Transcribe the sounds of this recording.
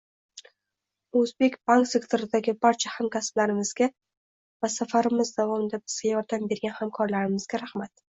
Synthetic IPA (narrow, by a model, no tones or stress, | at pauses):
ɵzbe̞kʲbaŋksekt̪ʰɪɾɪd̪aɡʲɪbaɾt͡ʃʰahamkʲasb̥laɾɪmɪz̥ɡʲa | vasafaɾɪmɪzd̪avɒmɪd̪abɪz̥ɡʲajɒɾd̪ambe̞ɾɡʲanhamkʰɒɾlaɾɪmɪz̥ɡʲaɾahmat̪